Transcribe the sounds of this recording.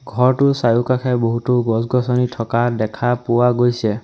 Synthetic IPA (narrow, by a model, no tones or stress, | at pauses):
ɡʱɔɹtʊsajukakʰɛboɦutuɡɔsɡɔsɔnitʰɔkadɛkʰapuwaɡojsɛ